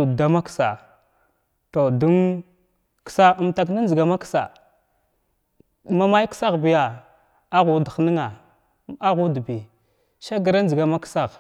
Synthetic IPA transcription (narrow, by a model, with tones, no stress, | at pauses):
u˨da˨ma˦ksa̰˨ | to˨du˦n | ksa˦ə˨mta˨k̬na˦n˦d͡ʒi˨ɡa˨ma˦ksa̰˨ | ma˦ma˦jksa˦ɣbi˨ja˨ | a˦ɣu˨dxni˦ŋa˨ | a˦ɣu˦dbi˨ | ʃa˦ɡə˨ɾa˦n˦d͡ʒi˨ɡa˨ma˦ksa˦˨ɣ